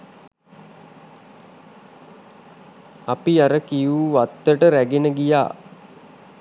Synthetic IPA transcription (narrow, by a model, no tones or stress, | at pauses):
apiaɾəkijuːʋat̪ːəʈəɾæɡenəɡija̰ː